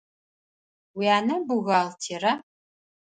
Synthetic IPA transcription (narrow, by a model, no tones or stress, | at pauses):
wiaːnɐbuɣaːltʰiːrɐ